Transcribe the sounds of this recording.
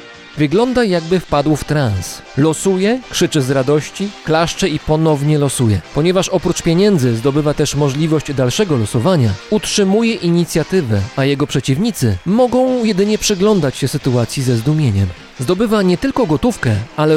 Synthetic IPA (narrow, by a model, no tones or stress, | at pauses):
vɘɡlɔnd̪ajaɡbɘfpad̪wft̪ɾans | lɔsujɛkʂɘt͡ʂɘzɾad̪ɔɕt͡ɕiklaʂt͡ʂɛipɔnɔvɲɛlɔsujɛpɔɲɛvaʂɔpɾut͡ʂpʲjeɲɛnd̪zɘzd̪ɔbɘvat̪ɛʂmɔʐlʲivɔɕd͡ʑd̪alʂɛɡɔlɔsɔvaɲautʂɘmujɛʔiɲit̪sʲjat̪ɘvɛajɛɡɔpʂɛt͡ɕivɲit̪sɘmɔɡɔ̃w̃jɛd̪ɘɲɛpʂɘɡlɔnd̪at͡ɕɕɛsɘt̪uat̪sʲjizɛzd̪umʲjeɲɛm | zd̪ɔbɘvaɲɛt̪ɘlkɔɡɔt̪ufkɛalɛ